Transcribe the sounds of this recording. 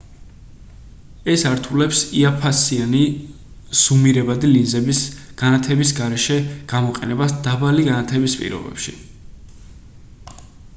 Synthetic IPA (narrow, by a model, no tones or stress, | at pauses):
ɛsaɾt̪ʰulɛpsiapʰasiani | sumiɾɛbad̪ilinzɛbisɡ̥anat̪ʰɛbisɡaɾɛʃɛɡ̥amɔqʼɛnɛbasd̪̥abaliɡanat̪ʰɛbispʼḭɾɔ̰bɛ̰pʃḭ